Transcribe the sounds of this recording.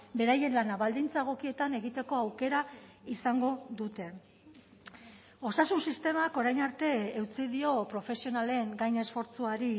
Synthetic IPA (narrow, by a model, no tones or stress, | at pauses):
be̞ɾaje̞nlanaβald̪int͡saeɣ̞o̞kie̞t̪ane̞ɣit̪e̞ko̞awke̞ɾaisaŋɡo̞ðut̪e̞ | o̞sasunsist̪e̞mako̞ɾajnaɾt̪e̞ːwt͡siðio̞pɾo̞fe̞sio̞nale̞ŋɡajne̞sfo̞ɾt͡suaɾi